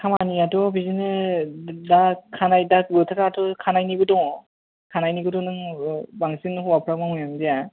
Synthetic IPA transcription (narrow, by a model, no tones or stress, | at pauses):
kʰamaniadɔbizinɯ | dakʰanajdakɡɯtʰakaːtɔkʰanajniɡɯdɔŋ | kʰanajniɡɯdɔŋnɯŋbaŋsinhɔwapʰɯɾamamɯjamdija